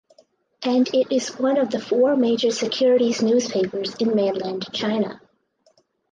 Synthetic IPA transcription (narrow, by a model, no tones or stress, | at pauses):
ʔɨ̃nɪɾɪzwʌ̃nʌvðɨfɔɹmeɪd͡ʒə˞sɨkʰj̥ʊɹɨɾiznʉz̥pʰeɪpə˞zɨ̃nmẽnlɨ̃nt͡ʃʰãɪ̃nə̰